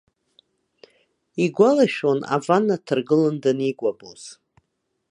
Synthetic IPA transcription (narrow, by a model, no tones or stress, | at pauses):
iɡʷalaʃᶣona̰vanːatʰɨrɡɨlɨndaniɡʷaboz̥